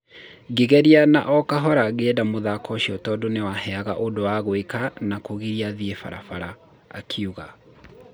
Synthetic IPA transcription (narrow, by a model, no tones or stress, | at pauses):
ɡeɣɛɾiana̰ʔɔkaɦɔɾaɣeɛdamoðakɔʃiɔtɔːdonewahɛaɣaʔodowaɣwekanakoɣiɾiaðiefa̰ɾa̰faɾa̰ː | kʰiuɣa